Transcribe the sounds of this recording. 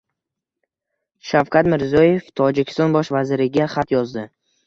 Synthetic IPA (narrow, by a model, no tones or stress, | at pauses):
ʃafqʰat̪mɪɾzijɒjeft̪ʰɒd͡ʒɪkʲʰɪ̥st̪ɒnbɒʃvazɪɾɪɡʲaχat̪jɒzd̪ɪ